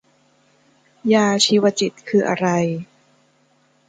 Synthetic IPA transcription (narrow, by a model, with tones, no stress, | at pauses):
jaː˧t͡ɕʰiː˧wa˧t͡ɕi˨˩t̪̚kʰɯː˧ʔa̰˧ɾa˧j